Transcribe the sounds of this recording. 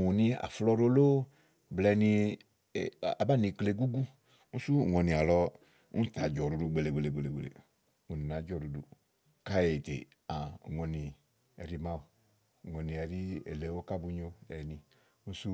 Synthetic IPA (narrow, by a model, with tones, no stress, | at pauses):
u˨nĩ˧a̰˨flɔ˧ɾo˧lo˦ | blɛ˧ni˧˨ | a˨ba˦˨ni˧kle˧ɡu˦ɡu˦ | ŋũ˦su˦˨ŋɔ˧ni˨a˨lɔ˧ | ṵ˦ta˨d͡ʒɔ˨ɾu˧du˧˨ɡ͡be˧le˨ɡ͡be˨le˨ɡ͡be˨le˨ɡ͡be˨lḛ˨ | u˨ni˨na˨˦d͡ʒɔ˨ɾu˧dṵ˧ | ka˦je˨tḛ˨ | a˨ŋɔ˧ni˨ | ɛ̰˨ɾi˧mã˧˦o˨ | ŋɔ˨ni˨ɛ˨ɾi˦ḛ˨lɛ˨wo˦ka˦bu˧˦ɲo˧ɛ˨ni˧ | ŋũ˦su˦